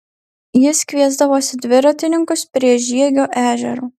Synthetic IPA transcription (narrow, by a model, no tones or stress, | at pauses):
jɪsʲkʲʋʲiɛzd̪ɐʋoːsʲɪd̪ʲʋʲɪɾɐt̪ʲɪnʲɪŋkʊspʲɾʲiɛʒʲiɛɡʲoːʔæːʒʲɛ̰ɾuː